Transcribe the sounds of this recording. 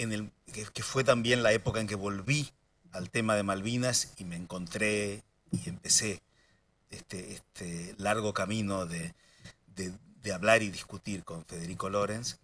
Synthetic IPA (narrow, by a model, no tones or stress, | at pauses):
enelkefwe̞t̪ambje̞nlae̞pokaeŋkeβo̞lβi | alt̪emaðe̞malβinasime̞ːŋko̞nt̪ɾe | iempe̞se̞ | est̪eest̪ʰelaɾɣ̞o̞kamĩno̞ðe | ðed̪eaβlaɾiðiskut̪iɾko̞ɱfe̞ðe̞ɾiko̞lo̞ɾe̞ns